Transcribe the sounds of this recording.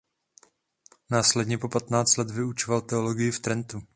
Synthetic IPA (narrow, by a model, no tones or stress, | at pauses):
naːslɛdɲɛpo̞pat̪naːt͡st̪lɛt̪vɪut͡ʃovalt̪ɛoloɡɪjɪft̪ɾɛnt̪u